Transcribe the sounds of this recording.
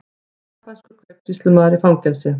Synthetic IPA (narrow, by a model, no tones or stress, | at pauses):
kʰḁskʏɾkʰvɛkt̪ist̪lʏmaːðɾifawŋcɛlsɪ